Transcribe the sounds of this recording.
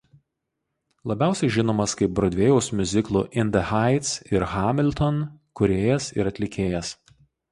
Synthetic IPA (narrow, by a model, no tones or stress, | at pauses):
lˠɐbʲæˑʊsʲɛɪʒʲɪnoːmɐskɐɪp̚bɾoːd̪ʲʋʲeːjɛʊsmʲʊzʲɪklˠuːʔɪnʲd̪ʲɛhɑɪt̪sɪɾxɑːmʲɪlʲt̪ɔnkʊɾʲeːjɛsɪ̰ɾɐt̪ʲlʲɪkʲeːjɛs